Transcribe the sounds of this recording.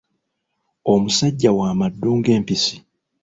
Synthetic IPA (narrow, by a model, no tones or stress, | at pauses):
o̞musaɟːawaːmadːuːŋɡe̞ːmpisi̥